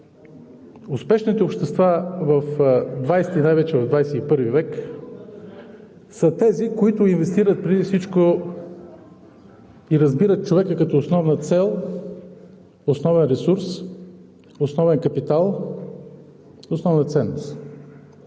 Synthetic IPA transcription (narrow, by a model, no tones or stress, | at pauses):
ʊspɛʃnit̪ɛopʃt̪ɛst̪vavɐfd̪vajsɛt̪inajvɛt͡ʃɛvɐvd̪vajsɛipɤɾvivɛk | sət̪ɛzikoit̪ʊinvɛst̪iɾət̪̚pɾid̪ifsit͡ʃko | iɾɐzbiɾət̪̚t͡ʃovɛkəkɐt̪ɔosnɔvnət̪sɛlˠ | osnɔvɛnɾɛsuɾs | osnɔvɛnkɐpit̪alˠ | osnɔvnət̪sɛnːʊst̪